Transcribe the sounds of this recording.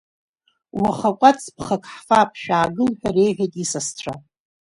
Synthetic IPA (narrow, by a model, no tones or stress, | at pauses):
waχakʷʼat͡sʰʼpʰχakʰʼħfapʰʼʃᶣaːɡɨlħᶣarejʕʷᶣatʼisasʈ͡ʂʷʰa